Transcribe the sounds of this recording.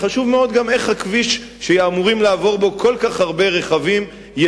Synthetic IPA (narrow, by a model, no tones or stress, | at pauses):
χaʃuvmeo̞d̪ɡame̞χhakviʃː | ejːmuʁimlaːvo̞ʁbo̞kʰo̞lkaχhaʁbe̞ʁe̞χavim | j